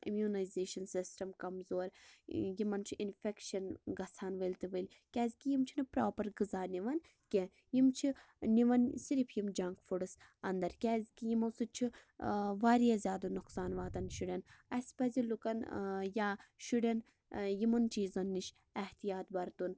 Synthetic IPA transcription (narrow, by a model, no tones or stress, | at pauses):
ḭmʲjuːnɐjzeːʃɐnsisʈɐmkɐmzoːɾjimɐnt͡ʃʰiinfʲekʃɐnɡɐsʰaːnʋɐlʲt̪ɨʋɨlʲ | kʲɛːzʲkijimt͡ʃʰinɨpɾaːpɐɾɡɨzaːnʲiʋɐn | kʲe | jimt͡ʃʰi | niʋɐnsiɾipʰjimd͡ʒɐŋkfuɽɨs | ɐnd̪ɐɾkʲɛːzʲkijimɐsut͡ʃʰi | ʋaːɾijaːzʲjaːd̪ɐnuksaːnʋaːt̪ɐnʃuɽʲɐnɐsʲpɐzilukɐnjaːʃuɽʲɐn | jimɐnt͡ʃiːzɐnːiʃ | ɐht̪ijaːt̪bɐɾt̪un